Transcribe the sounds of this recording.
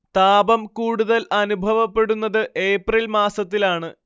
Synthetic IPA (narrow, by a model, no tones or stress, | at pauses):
t̪aːbɐmkuːɽuðɐlʔɐnubʱɐʋɐpːe̞ɽunːɐðɨʔe̞ːprilmaːsɐt̪ːilaːɳɨ